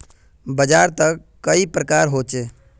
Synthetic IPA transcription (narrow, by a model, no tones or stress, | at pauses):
bəd͡ʒaːɾt̪əkːəipɾəkaːɾɦoːt͡ʃeː